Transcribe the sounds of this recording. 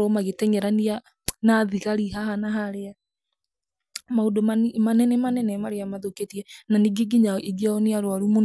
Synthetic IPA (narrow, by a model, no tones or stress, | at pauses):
ɔmaɣetɛɲɛɾania | naðiɣaɾiɦahanaɦaɾea | maodomamanɛnɛmanɛnɛmaɾeamaðoketiɛnaniɡeɡiɲaʔeɡiaɔneaɾwaɾumon